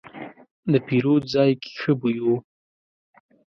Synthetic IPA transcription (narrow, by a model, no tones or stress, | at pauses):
d̪əpiɾozɑjkʰe̥xəbujo